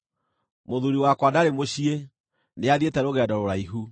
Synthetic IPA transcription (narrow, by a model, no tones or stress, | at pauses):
moðuɾiwakwadaɾemoɕie | neaðietɛɾoɣɛdɔɾoɾaiɦu